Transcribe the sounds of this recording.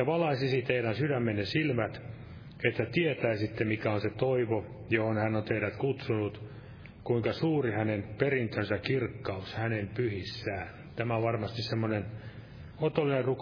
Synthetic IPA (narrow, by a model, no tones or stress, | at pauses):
ɑʋɑlɑisisit̪eiɾænsydæmːennesilmæt̪ | et̪ːæt̪iet̪æːsit̪ːemikæonset̪oiʋo | johonhænːont̪eiɾæt̪kut̪sunut̪ | kuiŋkɑsuːrihænenperint̪ønsækirkːɑushænempyhisːæː | t̪æmæʋɑrmɑst̪issemːonen | ot̪olːinerruk